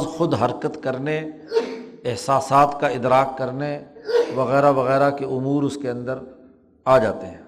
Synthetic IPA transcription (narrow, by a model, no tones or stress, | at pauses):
zxʊd̪ɦɐɾkət̪kɐɾne | ɪɦsaːsaːt̪kaɪd̪ɾaːkːɐɾneʋɐɣɛːɾaʋɐɣɛːɾakeʊmuːɾʊskeɐ̃nd̪əɾ | aːd͡ʒaːt̪eɦɛ̃ː